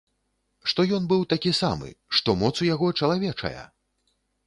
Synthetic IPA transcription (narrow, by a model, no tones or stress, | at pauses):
ʂt̪ɔjɔnbɨwt̪akʲisamɨ̰ʂt̪ɔmɔt̪sujaɣɔt͡ʂɐlˠavʲɛt͡ʂɐ̰jɐ̰